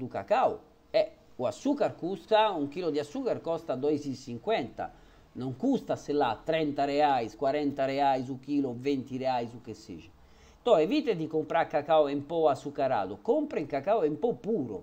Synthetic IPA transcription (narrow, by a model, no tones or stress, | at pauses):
d̪uka̰kau | ɛ | uasːuːkaɾkust̪auŋkiːlɔd̪iasːuːkaɾkɔst̪ad̪ɔizisiŋkwɛnt̪a̰ | nɔŋkust̪asɛlːat̪ːɾɛnt̪aɾɛaiskwaɾɛnt̪aɾɛaizuk̟iːlɔvent̪iɾɛajzukesːḭːʒi | t̪ɔevit̪ɛd̪ikompɾaɾkːakawɛmpɔasːukaɾa̰ːd̪ukɔmpɾaiŋkakawɛimpɔpːuːɾɔ̰